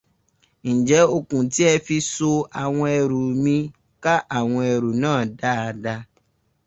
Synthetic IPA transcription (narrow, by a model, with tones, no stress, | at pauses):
n̩˨d͡ʒɛ˨˦o˧kũ˨ti˨˦ɛ˧fi˧so˧a˨w̃ɔ̃˧ɛ˧ɾu˨mĩ˧ | ka˦ʔa˦˨w̃ɔ̃˧ɛ˧ɾu˨nãː˦˨da˦a˧da˧